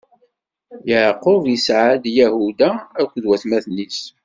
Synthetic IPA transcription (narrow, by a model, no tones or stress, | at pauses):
jəʕqːovisʕad̪jæhud̪aːkʷːðwæθmæθnis